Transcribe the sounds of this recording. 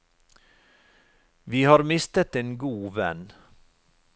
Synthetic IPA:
ʋiːhɑːɾmɪst̪ət̪eːnɡuːʋɛ̰n

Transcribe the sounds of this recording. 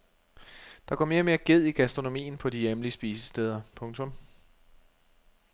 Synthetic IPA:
d̥ɑ̈ɡ̥ɒ̰ːme̝ːɐme̝ːɐɡ̥e̝ð̞̰ˠiɡ̥æsd̥ʁo̝no̝mḭːn̩pʰɒ̽dijemliəsb̥iːsə̥sd̥eːð̞ˠɐpʰɔ̽ŋt͡sʰɔ̽m

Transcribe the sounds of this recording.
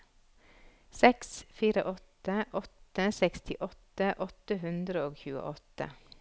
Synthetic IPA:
sɛksfiːɾəʔɔt̪əʔɔt̪əsɛkst̪ʰɪʔɔt̪əʔɔt̪əɦʉnd̪ɾəoːçʉːə̰ʔɔt̪ə̰

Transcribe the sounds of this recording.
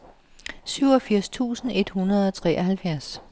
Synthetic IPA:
syʊ̰ɒ̽fiɐ̰st͡sʰṵːsn̩e̝d̥hunɐð̞ˠɒ̽t͡sʰʁɛ̰ːʔɒhælfjæɐs

